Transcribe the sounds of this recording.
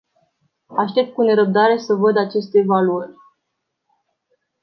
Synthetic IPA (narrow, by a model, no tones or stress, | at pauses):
aʃt̪e̞p̚t̪̚kune̞ɾəp̚d̪aɾe̞səvəd̪at͡ʃe̞st̪eːvaluərʲ